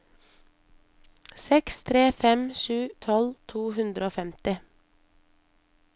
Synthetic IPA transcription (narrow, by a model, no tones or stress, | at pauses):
sɛkst̪ʰɾeːfɛmʃʉːt̪ʰɔlt̪ʰuːhʉnd̪ɾəoːfɛmt̪ɪ